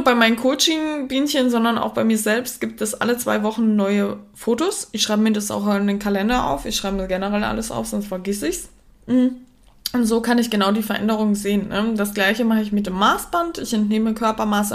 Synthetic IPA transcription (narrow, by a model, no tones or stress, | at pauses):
ɐbaɪmaɪnən̩kʰoːt͡ʃɪŋbiːnçənzɔndɐna̰ʊxb̥aɪmiːɐzɛlpst̚ɡ̥iːp̚tɛsʔa̰lət͡sv̥a̰ɪvɔχn̩nɔʏəfoːtosɪçʃʁ̥aɪbəmiɐdasa̰ʊxɔndənkʰalɛndɐʔa̰ʊfɪçʃʁ̥aɪbədɡ̥ɛnəʁɛlʔa̰ləsʔa̰ʊfz̥ɔnstfɛɐɡɪsɪçs | m̩ | ʔʊntz̥oːkʰanɪçɡ̥ənaʊdiːfɛɐʔɛ̰ndəʁ̞ʊŋənzeːənːəd̥asɡ̥laɪçəmaχəɪçmɪt̚d̥eːmːaːsb̥antɪçɛntneːməkʰœɐpɐmaːs